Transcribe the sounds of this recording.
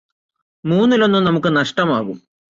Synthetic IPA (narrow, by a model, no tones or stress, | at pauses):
muːnːilo̞nːumnɐmukːɨnɐʂʈɐmaːɣum